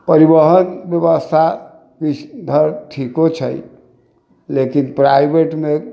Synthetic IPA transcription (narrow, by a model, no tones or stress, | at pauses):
pəɾibəɦənbjəβəst̪ʰa | kit͡ʃʰd̪ʱəɾʈʰikot͡ʃʰəj | lekinpɾajbeʈme